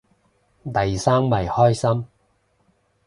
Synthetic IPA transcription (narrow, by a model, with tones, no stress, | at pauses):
t̪ɐ˨jsaː˥mmɐ˨˩jhɔː˥jsɐ˥m